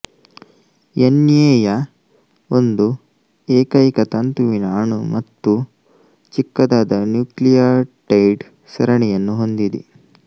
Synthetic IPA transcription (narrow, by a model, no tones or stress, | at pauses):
jenjeːjɐ | ond̪u | eːkɐjikɐt̪ɐnt̪uʋinɐːɳumɐt̪ːu | t͡ʃikːɐd̪aːd̪ɐnjuːklijaːɾʈɐjɖ | sɐɾɐɳɛjɐnːuɦo̞nd̪id̪ḭ